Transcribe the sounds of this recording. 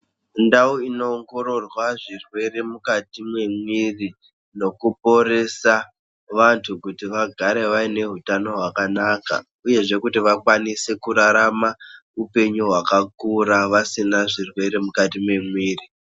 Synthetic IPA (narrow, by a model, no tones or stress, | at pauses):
ndauino̞ːŋɡo̞ɾo̞rwaʐirwe̞ɾe̞mukatimwe̞mwiri | no̞kupo̞ɾe̞sa | ʋantʰukutiʋaɡʱaɾe̞ʋaine̞ɦutano̞ɦwakanaka̰ | uje̞ʐe̞kutiʋakwanise̞kuɾaɾama | upe̞ɲuɦwakakuɾaʋasinaʐirwe̞ɾe̞mukatimwe̞mwiːri